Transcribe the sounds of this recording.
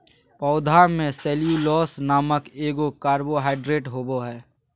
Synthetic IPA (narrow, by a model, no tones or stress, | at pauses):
pɔːʊd̪ʱamẽsɛːlijulɔːsnaːməkeːɡokaːɾboɦaːɪɖɾeːʈɦoːboɦɛː